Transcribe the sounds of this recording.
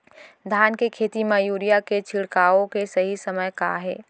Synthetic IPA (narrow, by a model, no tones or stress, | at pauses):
d̪ʱankekʰeːt̪imejuɾijaket͡ʃʰiɽkaõkesəɦisəməjka̰ɦeː